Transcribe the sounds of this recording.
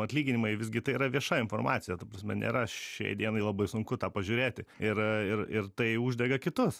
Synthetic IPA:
ɐt̪ʲlʲiːɡʲɪnʲɪmɐɪʋʲɪzʲɡʲɪt̪ɐɪiːɾɐʋʲiɛʃɑɪnfoːrmɑːt̪t͡ssʲɪjɛt̪ɐpɾɐsʲmʲɛ̰nʲʔḛɾɐʃʃʲɛ̰ɪd̪ʲiɛnɐɪlˠɐbɐɪsʊŋkʊt̪ɑːpɐʒʲʊːɾʲeːt̪ʲɪɪɾɪɾɪrt̪ɐɪuːʒʲd̪ʲɛɡɐkʲɪt̪ʊs

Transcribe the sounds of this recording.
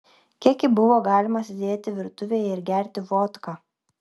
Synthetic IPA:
kʲiɛkʲɪbʊʋoːɡɑːlʲɪmɐsʲd̪ʲeːt̪ʲɪʋʲɪɾt̪ʊʋʲeːjɛɪɾɡʲæˑɾʲt̪ʲɪʋoːt̪kɑː

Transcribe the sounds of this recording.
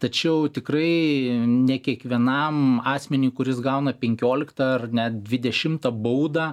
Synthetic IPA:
t̪ɐt͡ʃʲɛʊt̪ʲɪkrɐɪnʲɛkʲiɛkʋʲiɛnɐmɑːsʲmʲɛnʲuːkʊɾʲɪsɡɐʊnɐpʲɛŋʲkʲoːlʲɪkt̪ɐɐrnʲɛt̚d̪ʲʋʲɪd̪ʲɛʃʲɪmt̪ɐbɐʊd̪ɐː

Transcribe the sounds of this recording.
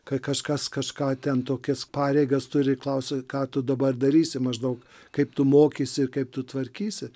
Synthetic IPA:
kɐt̪kɐʃkɐskɐʃkɑːt̪ʲɛnt̪oːkʲɛspɑːɾʲɛɪɡɐst̪ʊɾʲɪklˠɐʊsʲɪkɑːt̪ʊd̪ɐbɐrd̪ɐɾʲiːsʲɪmɐʒd̪ɐʊk | kɐɪpt̪ʊmoːkʲisʲɪɪrkɐɪp̚t̪ʊt̪ʋɐɾʲkʲiːsʲɪ

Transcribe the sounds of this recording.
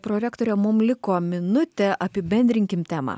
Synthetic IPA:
pɾoɾʲæːkt̪oːɾʲɛmʊmlʲɪkoːmʲɪnʊt̪ʲɛʔɐpʲɪbʲɛnʲd̪ʲɾʲɪŋʲkʲɪmt̪ʲæːmɑ̰ː

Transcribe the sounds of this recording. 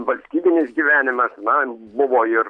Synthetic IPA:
ʋɐlʲsʲt̪ʲiːbʲɪnʲɪsɡʲiʋʲæːnʲɪmɐsnɐbʊʋoːɪr

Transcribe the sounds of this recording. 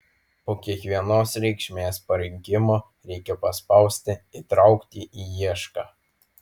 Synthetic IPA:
poːkʲiɛkʋʲiɛnoːsɾʲɛɪkʃʲmʲeːspɐɾʲɪŋʲkʲɪmoː | ɾʲɛɪkʲɛpɐspɑˑʊsʲt̪ʲɪit̪ɾɑʊkt̪ʲiʔiːjiɛʃkɑː

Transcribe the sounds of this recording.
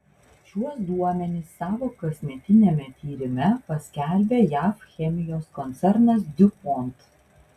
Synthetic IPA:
ʃʲuɔsd̪uɔmʲɛnʲɪsːɑːʋoːkɐsʲmʲɛt̪ʲɪnʲemʲɛt̪ʲiːɾʲɪmʲɛpɐsʲkʲɛˑlʲbʲeːjæːfxʲɛmʲɪjoːskɔnʲt̪sʲɛɾnɐsd̪ʲʊpɔnt̪

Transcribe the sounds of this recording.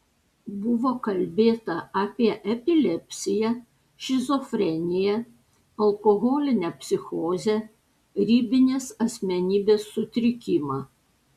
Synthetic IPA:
bʊʋoːkɐlʲbʲeːt̪ɐɑːpʲiɛʔɛpʲɪlʲɛpʲsʲɪjɛ | ʃʲɪzɔfʲɾʲɛnʲɪjɛ | ɐlˠkoɣoːlʲɪnʲɛpʲsʲɪxoːzʲɛ | ɾʲiːbʲɪnʲeːsɐsʲmʲɛnʲiːbʲeːsːʊt̪ʲɾʲɪkʲɪmɑː

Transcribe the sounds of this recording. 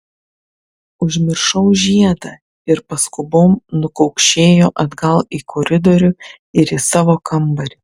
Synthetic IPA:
ʊʒʲmʲɪɾʃɐʊʒʲiɛd̪ɐ | ɪɾpɐskʊboːmnʊkɒʊkʃʲeːjoːʔɐd̪ɡɐlˠɪkʰɔːɾʲɪd̪oːɾʲʊ | ɪɾiːsɑːʋoːkɐmbɐɾʲɪ

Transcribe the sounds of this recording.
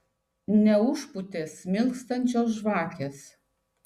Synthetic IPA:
nʲɛʊʃpʊt̪ʲeːsmʲɪlˠkst̪ɐnʲt͡ʃʲoːs̬ʒʋɑːkʲeːs

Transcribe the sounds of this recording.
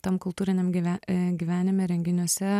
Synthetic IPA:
t̪ɐmkʊlˠt̪uːɾʲɪnʲɛmʲæɡʲiːʋʲæːnʲɪmʲɛɾʲɛŋʲɡʲɪnʲuɔsʲɛ

